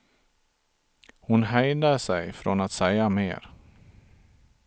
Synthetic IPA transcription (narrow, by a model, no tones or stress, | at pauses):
hʊnɦɛjd̪əsɛjfɾɔ̰nat̪sɛjamḛːɾ